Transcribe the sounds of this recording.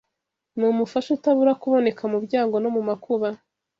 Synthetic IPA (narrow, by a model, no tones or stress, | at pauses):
mumufaʃutaβuɾakuβo̞ne̞kamubɟaːŋɡo̞no̞mumakuβa